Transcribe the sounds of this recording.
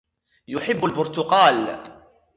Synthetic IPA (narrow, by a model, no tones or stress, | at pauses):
jʊħɪbːʊlbʊɾt̪ʊqɑːl